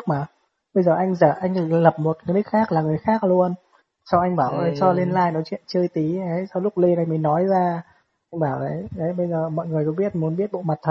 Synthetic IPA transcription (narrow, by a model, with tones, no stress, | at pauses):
k̚maː˨˩ | ɓə˧jzəː˨˩ʔa˧jŋ̟zə̰ː˧˩ʔa˧jŋ̟˨˩lə˨˩p̚mo˨˩t̚kni˦˥k̚xaː˦˥k̚laː˨˩ŋɨ˨˩əjxaː˦˥k̚lu˧ən | sa˧wʔa˧jŋ̟ɓaː˧˩wʔə˨˦jsɔ˧li˧nlaː˧jnɔ˨˦t͡ɕwḭ˧˨ənt͡ɕɨː˧jt̪i˨˦ə˨˦jsɔ˧wlʊ˦˥k͡p̚li˧nʔa˧jŋmi˨˩ŋnɔ˨˦jzaː˧ | ʔa˧jŋɓaː˧˩wzə˨˦jʔə˨˦jɓə˧jzəː˨˩mɔ̰˧˨jŋɨ˨˩əjk̪ɔ˨˦ɓi˦˥ət̚mu˨˦ənɓi˦˥ət̚ɓo̰˧˨ma˨˩t̚t̪ʰə˨˩